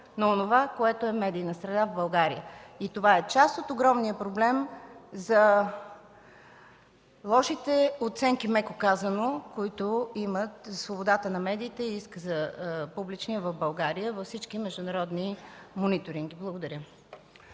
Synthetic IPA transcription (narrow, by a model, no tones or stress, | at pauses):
noonovakoɛt̪oɛmɛd̪iːnəsɾɛd̪avbɐlˠɡaɾḭəit̪ovaɛt͡ʃast̪ot̪oɡɾɔmniəpɾoblɛmzɐ | lˠɔʃit̪ɛot̪sɛŋkimɛkokazənokoit̪oimət̪svobod̪at̪ənɐmɛd̪iːt̪ɛiiskəzɐpublit͡ʃniəvəvbɐlˠɡaɾiəvɐfsit͡ʃkimɛʒd̪ʊnɐɾɔd̪nimonit̪oɾiŋɡiblˠəɡod̪ɐɾʲjə